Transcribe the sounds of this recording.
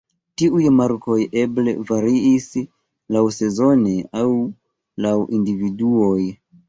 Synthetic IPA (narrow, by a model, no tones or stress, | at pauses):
tiujmaɾko̞jʔe̞blḛvaɾiis | lawse̞zo̞neaw | lawʔindividuoj